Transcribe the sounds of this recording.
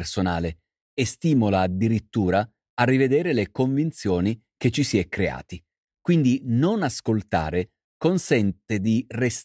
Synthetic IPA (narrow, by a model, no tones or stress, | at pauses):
rsonaːle | est̪iːmolaːd̪ːiɾit̪ːuːɾaː | rːived̪eːɾelekoɱvint̪sjoːni | ket͡ʃːisiɛkːɾea̰ːt̪i | kwind̪inonaskolt̪a̰ːɾe | konsɛnt̪ed̪ires